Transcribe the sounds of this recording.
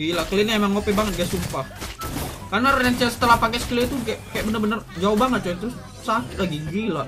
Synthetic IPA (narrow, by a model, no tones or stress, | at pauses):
ilakəliniemaŋːopibaŋət̪̚ɡajaʔsumpah | karnaɾajaŋt͡ʃasə̥t̪əlahpakɛsə̥t̪iliit̪ukakajaʔbənərbənərd͡ʒaobaŋət̪̚t͡ʃat̪ɾʊs | sakɪlaɡiɡila